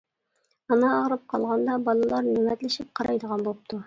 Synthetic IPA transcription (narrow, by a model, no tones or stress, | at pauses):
ɑnɑːʁɾɨp̚qʰɑlˠʁɑnd̪ɑbɑlˠɨlˠɑɾnywɛt̪lɪʃip̚qʰɑɾɑjd̪əʁɑnbolˠəp̚t̪ʰu